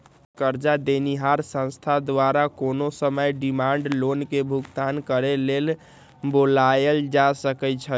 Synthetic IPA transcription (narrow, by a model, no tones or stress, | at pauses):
kəɾd͡ʒad̪eniɦaɾsə̃nst̪ʰad̪waɾakonosəməjɖimaɳɖlonkebʱuɡt̪ankəɾelel | bolajəld͡ʒasəkɛt͡ʃʰə